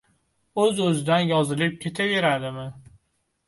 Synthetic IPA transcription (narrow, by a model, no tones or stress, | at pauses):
ɵzɵzɪd̪anjɒzɪlɪp̚kʲʰe̞t̪ʰave̞ɾad̪ɪmɪ